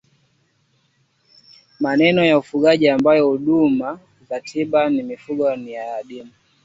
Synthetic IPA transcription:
manɛnɔjaufuɠaʄiambajɔuɗuma | zatʰiɓanimifuɠɔnijaːɗimu

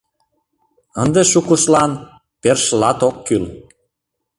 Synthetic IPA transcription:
ənd̪eʃukuʃlɑn | perʃlɑt̪okːyl

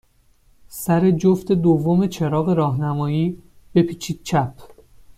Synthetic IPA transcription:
sæɾe̞d͡ʒoft̪e̞d̪ovːo̞me̞t͡ʃʰe̞ɾɒːɣe̞ɾɒːɦnæmɒːjiː | b̥e̞pʰiːt͡ʃʰiːd̪̚t͡ʃʰæpʰ

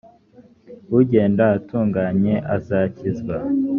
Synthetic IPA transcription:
uɟe̞ːndaːtuːŋɡaɲe̞ʔazacizɡwa

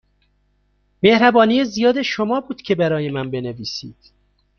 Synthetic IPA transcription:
me̞hɾæbɒːnijezijɒːd̪eʃo̞mɒːbuːd̪̥cʰe̞bæɾɒːje̞mænbe̞neviːsiːd̪̥

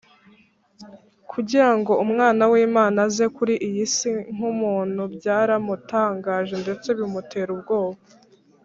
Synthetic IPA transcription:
kʰuɟiɾaŋɡo̞umŋaːnawiːmaːnaze̞kuɾiʔijisiŋ̥umuːn̥hubɟaːɾamutaːŋɡaːʒe̞nde̞t͡se̞βimute̞ɾubɡo̞ːβa

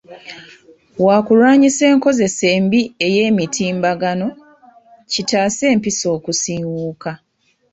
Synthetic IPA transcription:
wakulwaːɲise̞ːŋko̞ze̞se̞ːmbie̞je̞ːmitʰiːmbaɡano̞ | citaːse̞ːmpiso̞ːkusiːwuːka

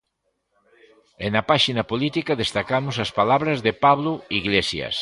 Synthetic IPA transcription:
enɐpaʃinɐpolit̪ikɐðest̪akamʊsɐspalaβɾɐzðepaβlʊiɣlesjɐ̰s

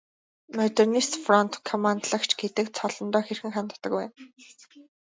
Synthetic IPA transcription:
mœt̪ernist̪frɔnt̪kʰɔmant̪ɮə̆kt͡ɕʰɡet̪ɘ̆kt͡sʰɔɮɞ̆nt̪ɔːxerxɘ̆ŋχant̪ə̥̆t̪ə̆kpæːn

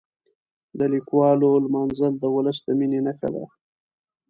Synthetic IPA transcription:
d̪əlikwɑlolmɑnzəld̪əwʊləsd̪əminenəxa̰d̪a̰

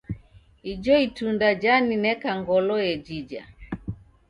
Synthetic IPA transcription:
id͡ʒɔitundad͡ʒaninɛkaŋɡɔlɔjɛd͡ʒid͡ʒa̰

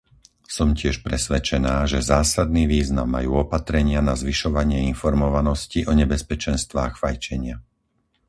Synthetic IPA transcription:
sɔmcɪɛʃpɾɛsʋɛt͡ʃɛnaːʒɛzaːsad̪̚niːʋiːzna̰mːa̰juːɔpat̪ɾɛɲɪanazʋiʃɔʋaɲɪɛinfɔɾmɔʋanɔsciʔɔɲɛbɛspɛt͡ʃɛnst̪ʋaːxfajt͡ʃɛɲɪa

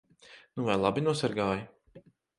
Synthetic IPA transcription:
nuvajlˠabinuɔsaɾɡaːji

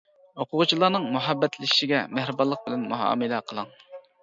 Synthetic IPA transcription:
hoqʰʊʁʊt͡ʃʰilˠɑːnɨŋmuɦɑbːɛt̪lɪʃi̥ʃiɡʲɛmæhɾɪbɑlˠːəq̚bɪlɛnmuɦɑ̰ːmɨlɛqʰəlˠɑŋ

